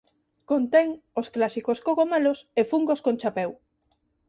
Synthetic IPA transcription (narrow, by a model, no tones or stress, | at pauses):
kont̪ɛŋosklasikoskoɣomalosefuŋɡoskõnt͡ʃapɛw